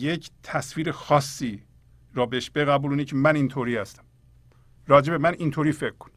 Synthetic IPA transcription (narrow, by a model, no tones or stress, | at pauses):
jecʰt̪ʰæsviːɾexɒːsːiː | ɾɒːbeʃbeɣæbuːluːnecʰemænint̪ʰoːɾiːhæst̪æ̥m | ɾɒːd͡ʒebemænint̪ʰoːɾiːfe̞kkʰːo̥n